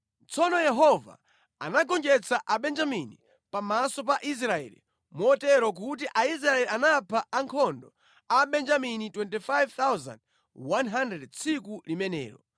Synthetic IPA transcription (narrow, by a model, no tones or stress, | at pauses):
t͡sɔnɔjɛɦɔva̰ | anaɡɔnd͡ʒɛt͡saʔaɓɛnd͡ʒamini | pamasɔp̬aʔis̬ɾaɛ̰lḭ | mɔtɛɾɔk̬ut̬iʔais̬ɾaɛlianapʰaaŋkʰɔndɔ | aɓɛnd͡ʒaminitwɛntifajvt̪awza̰nd̚ | wanɦandɾɛdt͡sʰikulimɛnɛ̰ːɾɔ